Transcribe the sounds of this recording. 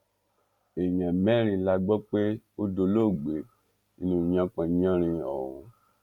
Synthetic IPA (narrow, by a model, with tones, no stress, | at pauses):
e˨ɲɛ̃˨mɛ˦ɾ̃ĩ˧˨la˧ɡ͡bɔ˦k͡pe˦ | o˦do˧lo˦˨ɡ͡be˨ | i˧nũ˧˨ɲã˧k͡pã˨ɲ˦ã˦ɾ̃ĩ˧ɔ̰˨ũ˧